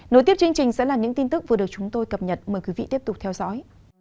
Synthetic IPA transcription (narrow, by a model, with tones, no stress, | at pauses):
no˨˦jt̪i˦˥əp̚t͡ɕɨ˧ə˧ŋt͡ɕï˨˩ŋ̟sɛ̰˧˥laː˨˩ɲɨ̰˧˥ŋt̪i˧nt̪ɨ˦˥k̚vɗək̚t͡ɕʊ˨˦ŋ͡mt̪o˧jkə˨˩p̚ɲə˨˩t̚məː˨˩jkwi˨˦vḭ˧˨t̪i˦˥əp̚t̪k͡p̚t̪ʰɛ˧wzɔ̰˧˥j